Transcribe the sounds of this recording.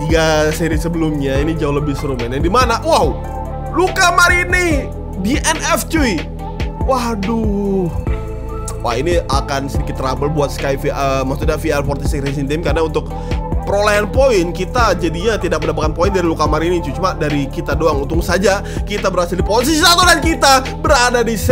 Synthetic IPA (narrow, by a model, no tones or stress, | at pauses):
iɡaseɾisəbəlʊmɲainid͡ʒaʊhləbɪhsəɾumɛnjandimanaʔwahw | lukamaɾini | diʔɛnɛft͡ʃui | wahdʊh | wʔa̰hiniakansədikɪt̪ːrabəlbuat̪̚skajfiəmaksut̪̚ɲafialpɔrt̪isikɾes̬int̪ɪmkarnaunt̪ʊk̚ | pəɾolaɦanpoɪnkit̪ad͡ʒadiɲat̪idak̚məndapakanpoindaɾilukamaɾinit͡ʃut͡ʃumadaɾikit̪adoaŋunt̪ʊŋsad͡ʒakit̪abəɾasɪldipoins̬isisat̪udankit̪a | bəɾadadis